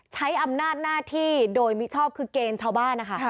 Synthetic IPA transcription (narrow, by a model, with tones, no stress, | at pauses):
t͡ɕʰa˦˥jʔa˧mnaː˥˩t̪̚naː˥˩t̪ʰiː˥˩doː˧jmi˦˥t͡ɕʰɔː˥˩p̚kʰɯː˧keː˧nt͡ɕʰaː˥˩wbaː˥˩nːa˦˥kʰa˦˥˩